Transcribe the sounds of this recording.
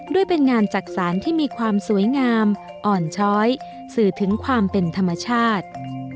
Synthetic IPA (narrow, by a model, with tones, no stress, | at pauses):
du˥˩əjpe˧nŋaː˧nt͡ɕa˨˩k̚saː˩˦nt̪ʰiː˥˩miː˧kʰwaː˧msu˩˦əjŋaː˧m | ʔɔː˨˩nt͡ɕʰɔː˦˥j | sɯː˨˩t̪ʰɯ˩˦ŋkʰwaː˧mpe˧nt̪ʰa˧mːa˧t͡ɕʰaː˥˩t̪̚